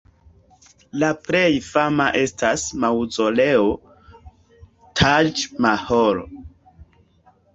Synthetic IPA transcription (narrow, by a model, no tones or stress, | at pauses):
lapɾe̞jfamaʔe̞stasmawzo̞le̞o | tʰad͡ʒmahoɾo